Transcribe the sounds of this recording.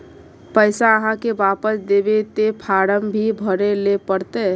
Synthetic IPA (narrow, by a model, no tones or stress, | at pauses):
pəɪsaəɦãkebapəsd̪ebet̪epʰaɾəmbʱibʱəɾelepəɾt̪e